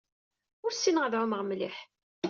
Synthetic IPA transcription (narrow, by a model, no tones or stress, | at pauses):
ʊɾsːinʁəðʕʊməʁmliħ